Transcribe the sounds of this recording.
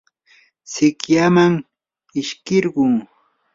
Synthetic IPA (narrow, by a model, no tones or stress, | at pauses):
sɪkjamaŋ | ɪʃkɪɾɢʊŋ